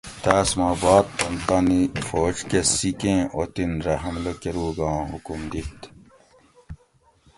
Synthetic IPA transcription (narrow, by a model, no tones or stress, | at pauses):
t̪aːsmaːbɑːt̪̚pɐnt̪aːnifoːt͡ɕkesikẽːʔot̪inɾɐɦɐmlɐkeɾuːɡɑ̃ːɦukumd̪it̪